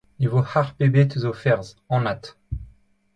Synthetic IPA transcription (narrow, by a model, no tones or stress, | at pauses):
evohaʁpebet̪yzofɛʁz | ɑ̃nat̪